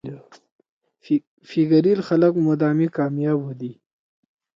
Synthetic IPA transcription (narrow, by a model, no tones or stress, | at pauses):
fiɡɐɾilxaləkmod̪aːmikaːmjaːbod̪i